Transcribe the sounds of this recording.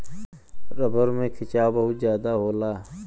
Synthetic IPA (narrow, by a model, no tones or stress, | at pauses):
ɾəbəɾmẽkʰɪt͡ʃaːbəɦʊt̪zjaːd̪aɦoːlaː